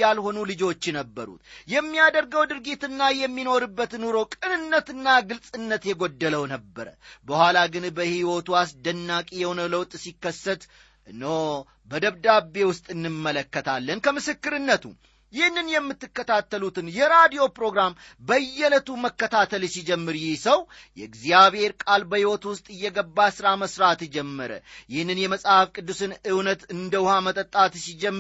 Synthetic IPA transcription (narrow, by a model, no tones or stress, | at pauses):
alho̞nulɨd͡ʒo̞t͡ʃːɛnəbːəɾṵt̪jɛmːijad̪əɾɡəwd̪ɨɾɡit̪ɨnːajɛmːino̞ɾɨbːət̪nuɾo̞kʼɨnɨnːət̪ɨnːaɡɨlsʼɨnːət̪jɛɡod̪ːələwnəbːəɾə̰bəhʷalaɡɨnbəhiwo̞t̪uasd̪ənːakʼijɛhonəwləwt̪ʼsikːəsːət̪ | no | bəd̪əβd̪abːe̞wʊst̪ʼɨnːɨmːələkːət̪ʰalːənkʰəmɨsɨkːɨɾɨnːət̪ʰṵ | jɪhnːɨnjɛmːɨt̪ːɨkːət̪ʰat̪ːəlut̪ɨnjɛɾad̪ijo̞pɾo̞ɡɾam | bəjːɛlət̪uməkːət̪ʰat̪ʰəlsid͡ʒɛmːɨɾjɪhsəw | jɛɡziaβhe̞ɾkʼalbəhiwɔt̪wʊst̪ʼɨjːɛɡəbːasɨɾaməsɾat̪d͡ʒɛmːəɾə̰jɪhnːɨnjɛməsʼhafkʼɨd̪ːusɨnɨwnət̪ɨnd̪əwʊhamət̪ʼət̪ʼːat̪sid͡ʒɛmː